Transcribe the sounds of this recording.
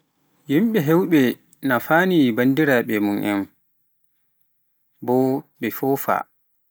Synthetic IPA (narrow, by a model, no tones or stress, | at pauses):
jimɓɛɦɛwɓɛ | nafaːnibandiɾaɓɛmunʔɛ̰n | bɔɓɛfɔfa̰